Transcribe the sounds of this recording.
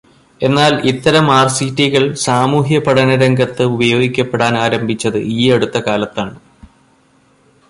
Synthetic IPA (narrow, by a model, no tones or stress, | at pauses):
e̞nːaːlit̪ːɐɾɐmaːrsitːiɣɐɭsaːmuːɦjɐpɐɽɐnɐɾɐŋɡɐt̪ːɨubɐjo̞ːɡikʲːɐpːeɽaːnaːɾɐmbʱit͡ɕːɐðɨiːɐɽut̪ːɐkaːlɐt̪ːaːɳɨ